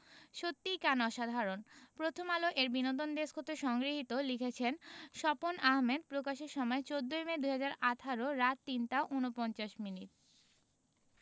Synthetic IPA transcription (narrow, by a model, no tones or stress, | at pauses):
ʃot̪ːikanɔʃad̪ʱaɾonpɾot̪ʰomaloʔeɾbinot̪ond̪eskʰot̪oʃɔŋɡɾiɦit̪olikʰet͡ɕʰenʃɔponaɦmed̪̚pɾokaʃeɾʃɔmɔet͡ɕod̪ːojmed̪uɦad͡ʑaɾaʈʰaɾoɾat̪ːinʈaʔunopɔnt͡ɕaʃminiʈ̚